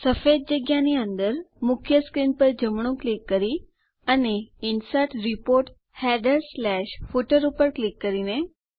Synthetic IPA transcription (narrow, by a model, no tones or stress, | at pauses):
səfed̪̚d͡ʑəɡjaniənd̪əɾmukʰjəskɾinpəɾd͡ʑəmɳ̃ũklikːəɾi | aniinsaʈɾipoɾʈ | hæɖəɾslæɕfuʈəɾupəɾklikːəɾine